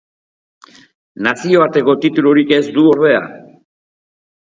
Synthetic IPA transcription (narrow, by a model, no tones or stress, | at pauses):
nasio̞βaɾt̪e̞ko̞t̪it̪uloɾike̞zd̪uo̞ɾβe̞a̰